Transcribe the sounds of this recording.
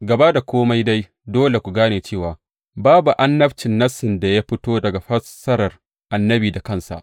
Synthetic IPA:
ɡɐ˨ba˦da˨kʷoː˦ma˦jda˦j | doː˦le˨kʷu˨ɡaː˦neː˨t͡ʃeː˦˨waː˨ | baː˦bu˨ʔa˦nːɐ˦ɸt͡ʃɪ˨nːɐ˦sɪ˨nda˨ja˦ɸɪ˦toː˦dɐ˨ɡa˨ɸɐ˦sɐ˦ɾɐ˨r | ʔa˨nːɐ˦biː˨da˨kɐ˦˨nsa̰˨ʔ

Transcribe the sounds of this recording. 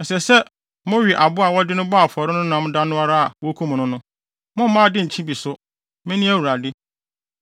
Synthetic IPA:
ɛ˨sɛ˨sɛ˦ | mõ˦ɥi˨ʔa˨bʊ˦a˨wɔ˦dɪ˦nʊ̃˦ba˦a˨fɔ˨ɾɪ˦nʊ̃˦nã˨˦m̩ʊ̃˦da˦nʊ̃˦a˦ɾa˦a˨wɔ˦kʰu˦m˨nʊ̃˦nʊ̃˦ | mʊ̃˦m̩˦mã˦dɪ˦ɲ̩˨t͡ɕʰĩ˦bi˨sʊ˦ | mɪ̃˦nĩ˦æ˦˨wu˨ɾa˨dɪ˦

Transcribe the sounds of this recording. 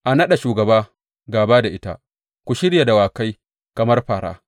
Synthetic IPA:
ʔa˨nɐ˦ɗa˨ʃuː˨ɡɐ˨baː˦ | ɡaː˨baː˦da˨ʔɪ˦ta̰˦˨ | kʷu˨ʃɪ˦ɽja˨da˨waː˨ka˦j | kɐ˨mɐ˦rɸaː˨ɾa̰ː˦

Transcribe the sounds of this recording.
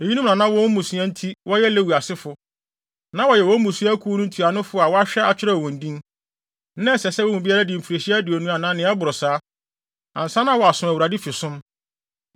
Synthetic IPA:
e˨ji˦nũ˦˨nã˨nã˦wɔ˦wmːũ˨su˦ɛ̃˦n̩˦tʰi˦wɔ˦jɛ˦le˦wu˨a˨sɪ˦fʊ˨ | nã˦wɔ˨jɛ˨wɔ˦mũ˨si˦æ˦kʰu˦nũ˦tʰi˨a˨nʊ̃˦fʊ˦a˨wɔ˦a˦ɕᶣɛ˦a˨t͡ɕᶣɪ˦ɾɛ˦˨wɔ̃˨n̩˨dĩ˦n | nã˦˨sɛ˨sɛ˦wɔ˦mũ˨bi˦a˦ɾa˦dɪ̃˨m̩˨fi˨ɾe˨ɕi˦a˦dɪ˨ɔ˨nũ˦a˨nãː˦nɪ̃˨˦a˦bʊ˨ɾʊ˨saː˦ | ã˨n̩˨sã˦nã˦wɔ˨a˨sʊ̃˨æ˨wu˨ɾa˨di˦fɪ˨sʊ̃˦m

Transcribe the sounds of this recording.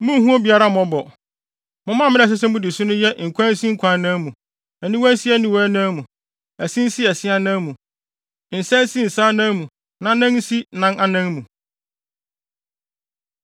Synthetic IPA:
mũ˦hũ˦ɔ˦bi˨˦a˦ɾa˦mɔ̃˨˦bɔ˨ | mʊ̃˨˦mã˦˨mɪ̃˦ɛ˨s̬ɪ˦s̬ɛ˦mʊ̃˦dɪ˨sʊ̃˦nʊ̃˦jɛ˦ŋ̩˨kʷʰã˦n̩˦si˦ŋ̩˦kʰʷã˨˦nã˦mũ˨ | æ˨nĩ˦wn̩˦si˦æ˦nĩ˦wɔ˦nã˦mũ˨ | æ˨sĩ˦n̩˦sɪ˦ɛ˨sɪ˦a˦nã˦mũ˨ | n̩˨sɛ̃˦n˦sĩ˦n̩˨saː˦nã˦mũ˨ | nã˨˦nã˦nn̩˦si˦nã˦nʔa˦nã˦ŋmũ˨

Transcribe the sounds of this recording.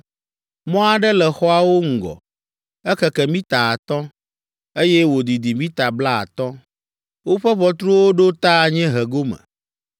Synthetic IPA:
mɔ̃˦a˨ɖɛ˦lɛ˨xɔ˦a˨wo˦ŋ̩˨ɡɔ̰˨ | ɛ˦kɛ˦kɛ˨mĩ˦t̪a˨a˨t̪ɔ̃˦ | e˦jɛ˦wo˨d̪i˨d̪i˨mĩ˦t̪a˨bla˦a̰˨t̪ɔ̃˦ | wo˦ɸɛ˦βɔ˦t̪ɾu˦wo˦ɖo˦t̪a˦˨ɲɛ̃˦ɦɛ˨ɡo˦mɛ̰̃˨

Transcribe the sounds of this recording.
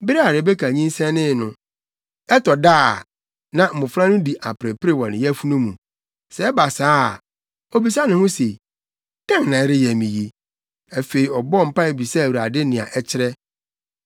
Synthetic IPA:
bɪ˦ɾa˨ɾɪ˨bɛ˦kʰa˨ɲĩ˦n˦sɛ̃˦nɪ̃˦˨nʊ̃˨ | ɛ˦tʰɔ˨daː˦˨ | nã˨m̩˨mʊ̃˨fɾã˦nʊ̃˦di˨ʔa˨pɾɛ˨pʰɪ˦ɾe˦wɔ˨nɪ̃˨jɛ˦fu˦nũ˦mũ˨ | sɛ˨˦ba˨saː˦˨ | o˨bi˨˦s̬a˦nʊ̃˨hʊ̃˦se˨ | d̥ã˦ŋ˨nã˨˦ɾɪ˦jɛ˨mĩ˨ji˨ | a˨fe˨ɾi˨ɔ˨bɔ˦˨m̩˨pa˦e˨bi˨sɛ˦˨wi˨ɾa˨dɪ˦nɪ̃˨a̰˨ʔɛ˦t͡ɕʰɪ˦ɾɛ˦

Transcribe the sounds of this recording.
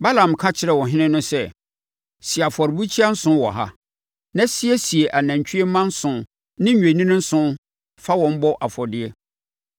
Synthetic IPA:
ba˦lã˨m˨kʰa˦t͡ɕʰɪ˦ɾɛ˨wɔ̃˨ɦɪ̃˦nɪ̃˦nʊ̃˦sɛ˦˨ | si˨a˨fɔ˨ɾbu˦t͡ɕʰi˦a˦n̩˦sʊ̃˦wɔ̰˨ɦa̰˦ | nã˦si˦ɛ˦si˨e˨ʔa˨næ̃˨ɲ˨t͡ɕʰᶣi˦e˦mã˦n̩˦sʊ̃˨ | nɪ̃˦ɲᶣ˦˨ẽ˨nĩ˦nɪ̃˦n̩˦sʊ̃˦ | fa˦wɔ̃˨m̩˦bɔ˦ʔa˨fɔ˨dɪ˦ɛ˦

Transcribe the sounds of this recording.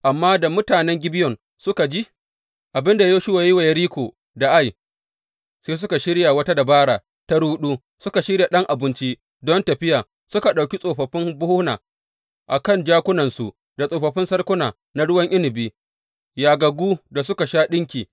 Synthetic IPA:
ʔa˨mːaː˦da˨mʊ˦taː˨nɛ˦ŋɡʲɪ˦bɪ˦jɔ˨n | sʊ˦ka˨d͡ʒi˦ | ʔa˨bɪ˦nda˨joː˦ʃʊ˦wa˨jji˦wa˨jɐ˦ɾiː˦kʷoː˨ | da˨ʔa˦j | seː˦s̬ʊ˦ka˨ʃɪ˦ɽja˨wɐ˦ta˦da˨baː˦ɽaː˨ | ta˦ɽuː˦ɗuː˦ | sʊ˦ka˨ʃɪ˦ɽja˨ɗɐ˦ŋʔa˨bɪ˦nt͡ʃi˦ | dɔ˦ntɐ˨ɸɪ˦jaː˨ | sʊ˦ka˨ɗa˨wkʲi˦sʼoː˨ɸɐ˨ɸɪ˦mbʊ˦hʊ˦hnaː˨ | ʔa̰˨kɐ˦˨nd͡ʒaː˦kʷʊ˦nɐ˨nsu˨ | da˨sʼoː˨ɸɐ˨ɸɪ˦nsɐ˦rkʷʊ˦naː˨ | na˦ɽʊ˦wɐ˦ŋʔɪ˦nɪ˨biː˦ | jaː˨ɡɐ˨ɡʷuː˦da˨s̬ʊ˦ka˨ʃaː˦ɗɪ˦ŋkʲiː˨

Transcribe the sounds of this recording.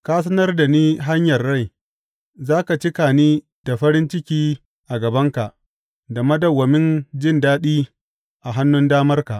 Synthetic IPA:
kaː˦s̬ɐ˦nɐ˦rda˨niː˦ɦa˦ɲjɐ˨rːa˦˨j | zaː˦ka˨t͡ʃɪ˦ka˨niː˦ | d̥a˨ɸɐ˦ɾɪ˦nt͡ʃɪ˦kʲiː˦ | ʔa˨ɡɐ˨bɐ˦ŋka˨ʔ | da˨mɐ˦dɐ˨wːɐ˨mɪ˦nd͡ʒɪ˦ndaː˦ɗiː˦ | ʔa˨ɦa˦nːʊ˦ndaː˦mɐ˦rka˨ʔ

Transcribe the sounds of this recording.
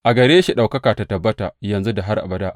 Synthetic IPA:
ʔa˨ɡɐ˨ɾeː˦ʃi˨ɗa˨wkɐ˦kaː˨ta˨tɐ˨bːɐ˦ta̰˨jɐ˨nzu˦da˨ɦa˦rʔa̰˨bɐ˦da˦ʔ

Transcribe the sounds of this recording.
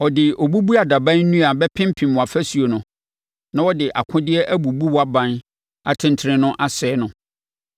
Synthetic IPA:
ɔ˨dɪ˨ɔ˨bu˦bu˦a˨da˨bã˦nː˦ũ˦a˨bɛ˦pʰɪ̃˦m˦pʰĩ˨mʊ̃˨a˨fæ˦su˨o˨nʊ̃˨ | nã˦wɔ˦dɪ˨ʔa̰˨kʰʊ̃˦dɪ˦ɛ˦ʔæ˦bu˨bu˦wɔ˦a˦bã˦n | a˨tʰɪ̃˦ntʰɪ˦ɾɪ̃˦nʊ̃˦ʔa˨sɛː˨˦nʊ̃˨

